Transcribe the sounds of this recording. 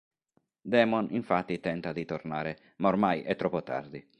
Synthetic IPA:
d̪ɛːmɔnʔiɱfat̪ːit̪ɛnt̪ad̪it̪ɔrnaːɾɛ | maɔɾmajʔɛt̪ːɾɔpːɔt̪a̰ɾd̪i

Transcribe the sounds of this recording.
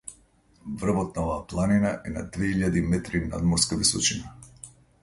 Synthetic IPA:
vr̩vɔt̪̚naɔvaːplˠaninaʔɛna̰d̪vɛiʎad̪imɛt̪ɾina̰d̪mɔɾskavisɔt͡ʃina

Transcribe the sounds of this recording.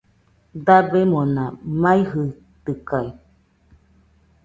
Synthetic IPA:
d̪abemõnãmãiɦɯ | t̪ɨkai

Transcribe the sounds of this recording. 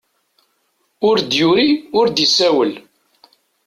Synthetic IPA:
ʊɾd̪jʊɾiʊɾd̪isæwəl

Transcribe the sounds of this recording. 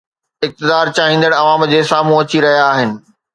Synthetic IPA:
ɪk̚t̪ɪd̪aːɾt͡ɕaːɦĩːnd̪əɽɐʋaːmd͡ʑeːsaːm̤ũɐt͡ɕiɾɐɦijaːɦɪnɪ̆

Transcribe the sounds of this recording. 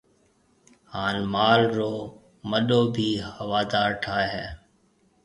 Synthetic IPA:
haːnmaːlɾoː | məɗoːbʱiːhəʋaːd̪aːɾʈʰaːɦɛː

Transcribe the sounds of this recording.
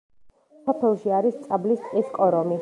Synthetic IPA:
sɔpʰɛlˠʃiaɾist̪sʼablist̪sʼiskʼɔɾɔmi

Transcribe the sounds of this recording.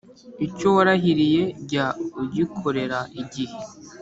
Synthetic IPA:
icowaɾaɦiɾije̞ɟauɟikʰoɾe̞ɾaʔiɟihe

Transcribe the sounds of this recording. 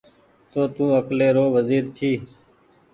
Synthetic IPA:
t̪oːt̪ũːəkleːɾoːʋəziːɾt͡ʃʰiː

